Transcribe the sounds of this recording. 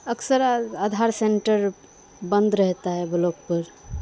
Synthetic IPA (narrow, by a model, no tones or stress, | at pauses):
əksəɾad̪ʱaɾseɳʈəɾ | bə̃nd̪ɾəɦt̪aɦɛbəlok̚pəɾ